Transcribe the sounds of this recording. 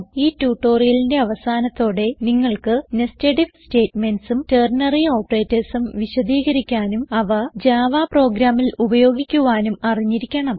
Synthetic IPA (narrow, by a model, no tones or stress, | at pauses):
iːtːuːʈːo̞ːrijɐlinde̞ɐʋɐsaːnɐt̪ːo̞ːɽe̞niŋːɐɭkɨnesteːʈiʋste̞ːtmenɖsumteːrnɐrio̞ːpːɐreːtːɐsumʋiɕɐd̪iːɣɐɾikʲːaːnumɐʋɐd͡ʑaːʋaːpro̞ːɡɾaːmːilubɐjo̞ːɡikʲːuʋaːnumɐriɲːiɾikʲːɐɳɐm